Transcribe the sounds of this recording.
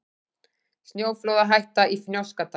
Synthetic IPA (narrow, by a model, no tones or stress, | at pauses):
st̪njoːwflowðaɦajht̪aʔifnjowskat̪a